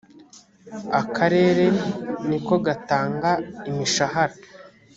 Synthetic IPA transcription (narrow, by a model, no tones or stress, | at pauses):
akʰaɾe̞ːɾe̞niko̞ɡataːŋɡaimiʃaɦaɾa